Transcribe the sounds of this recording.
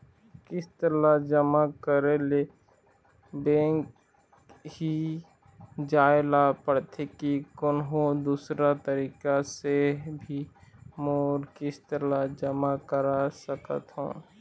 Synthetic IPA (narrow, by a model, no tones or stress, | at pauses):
kɪst̪əɾad͡ʒəmakəɾele | bẽːŋk | ɦi | d͡ʒaːɪlapəɽt̪ʰekikʊnɦod̪uːsɾat̪əɾiːkasebʱimoːɾkɪst̪əɾad͡ʒəmakəɾasəkə̰t̪ɦõ̰ː